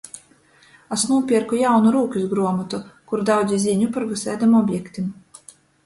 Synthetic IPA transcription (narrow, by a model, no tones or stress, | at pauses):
asnuːpʲiɛɾkujawnuɾuːkʲuzɡɾuɔmɔt̪ukuɾd̪awd̪zʲizʲiɲʲupaɾɡɨsɛːd̪amɔbʲjɛkt̪im